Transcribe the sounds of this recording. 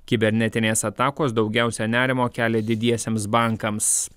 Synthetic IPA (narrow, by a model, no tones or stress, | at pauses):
kʲɪbʲɛɾʲnʲɛt̪ʲɪnʲeːsɐt̪ɑːkoːsd̪ɒʊɡʲæˑʊsʲɛnʲæːɾʲɪmoːkʲæːlʲɛd̪ʲɪd̪ʲiɛsʲeːmsbɑˑŋˑkɐms